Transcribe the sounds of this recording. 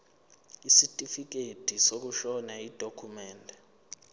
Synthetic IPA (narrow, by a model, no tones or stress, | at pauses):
isitʼifik̬etʰʼisok̬uʃɔnaid̥ʱokʰumɛːndʱɛ